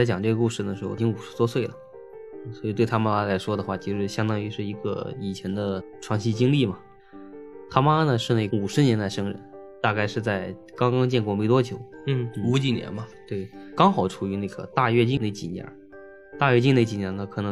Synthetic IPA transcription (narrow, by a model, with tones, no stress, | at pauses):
t͡st͡ɕjɑ˨˩ŋʈ͡ʂɤ˥˩ɡə˧ku˥˧ʂɻ̩˥˩d̪ə˩ʂɻ̩˧˥xo̰˧˩t͡ɕi˥ŋu˨˩ʂɻ̩˧˥t̪wɔ˥swe˥˩ɪlə˨˩˥ | swɔ˧˥i˨˩t̪we˥˩ɪt̪ʰa˥ma˧la˥la˧˥ɪʂwɔ˥d̪ə˨xwa˥˩t͡ɕʰi˧˥ʂɻ̩˧˥ɕjɑ˥ŋt̪ɑ˥ŋy˧˥ʂɻ̩˥˩i˧˥ɡə̰˧i˨˩t͡ɕʰjɛ˧˥nd̪ə˧ʈ͡ʂʰwɑ˥˧ŋɕi˥˧t͡ɕi˥ŋli˥˩mɐ˩ | t̪ʰa˥ma˥nə˨˧ʂɻ̩˥˧ne˥˩˧u˨˩ʂɻ̩˧˥njɛ˧˥nt̪a˥˩ɪʂɤ˥ŋɻə̰˧˥n | t̪a˥˧ka˥˧ɪʂɻ̩˥˧t͡sa˥˧˩ɪ | kɑ˥ŋkɑ˥ŋt͡ɕjɛ˥˧nkwɔ˥˩me˧˥ɪt̪wɔ˥t͡ɕʰjo˨˧˥ʊ˥u˧˥t͡ɕi˨˩njɛ̰˧˥nbɐ˧t̪we˥˩ɪkɑ˥ŋxɑ˨˩˥ʊʈ͡ʂʰu˨˩y˧˥n˥˩ɡ̥ə̰˩t̪a˥˧ɥɛ˥˧t͡ɕi˥˧ne˥˩ɪt͡ɕi˨˩njɛ̰˧˥ | t̪a˥˧ɥɛ˥˧t͡ɕi˥˧ne˥˩t͡ɕi˨˩njɛ˧˥nə˧kʰɤ˨˩nɤ˧˥